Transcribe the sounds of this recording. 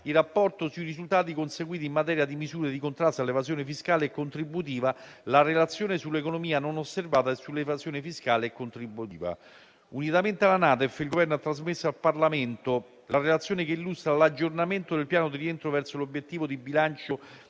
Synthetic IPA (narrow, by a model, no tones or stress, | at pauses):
irapːɔrt̪osuirizult̪aːt̪̬ikonseɡwiːt̪immːat̪ɛːɾjad̪imizuːɾed̪ikont̪ɾast̪alːevazjoːnefiskaːleːkːont̪ɾibːut̪̬iːvalarelat̪sːjoːnesulːekonomiːanonosːervaːt̪aesːulːevazjoːnefiskaːleːkːont̪ɾibːut̪iːva̰ | unit̪ament̪ealanaːt̪ɛfilɡovɛrnoat̪ːɾazmesːoalparlament̪o | larelat̪sːjoːnekeilːust̪ɾalad͡ʒːornament̪od̪elpjaːnod̪irient̪ɾovɛrsolobjet̪ːiːvod̪ibilant͡ʃo